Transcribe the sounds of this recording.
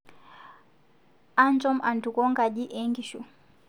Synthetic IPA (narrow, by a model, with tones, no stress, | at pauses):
a˦nt͡ʃɔ˦ma˨n˨tu˨kɔ˦ŋɡa˨ʄi˦ʔɛ˦ŋɡi˨ʃu˨